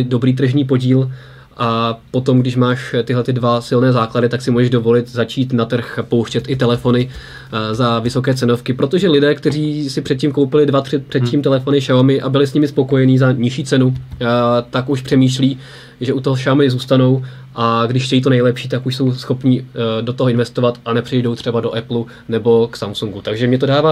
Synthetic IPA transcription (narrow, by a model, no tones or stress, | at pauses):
do̞bɾiːt̪̬r̩ʒniːpo̞ɟiːl | ʔapo̞t̪o̞mɡdɪʃmaːʃt̪ɪɦlɛt̪ɪdvasɪlnɛːzaːkladɪt̪aksɪmuːʒɛʒdo̞vo̞lɪt̪zat͡ʃiːt̪nat̪r̩xpo̞wʃcɛt̪ʔɪt̪ɛlɛfo̞nɪ | zavɪso̞kɛːt͡sɛno̞fkɪpɾo̞t̪o̞ʒɛlɪdɛːkt̪ɛr̝iːsɪpr̝̥ɛt̪̚cimko̞wpɪlɪdvat̪rɪpr̥ɛt̪̚cʲimt̪ɛlɛfo̞nɪʃawamɪʔabɪlɪsɲɪmɪspo̞ko̞jɛniːzaɲɪʃiːt͡sɛnu | t̪akuʃpr̥ɛmiːʃliː | ʒɛut̪oɦoʃamɪzuːst̪ano̞w | ʔaɡdɪʃʃcɛjiːt̪onɛjlɛpʃiːt̪akuʃso̞wsxo̞pɲiːdot̪oɦoɪnvɛst̪o̞vat̪anɛpr̥ɪjdo̞wt̪r̝̥ɛbado̞ʔɛplu | nɛbo̞ksamsuŋɡut̪aɡʒɛmɲɛt̪odaːvaː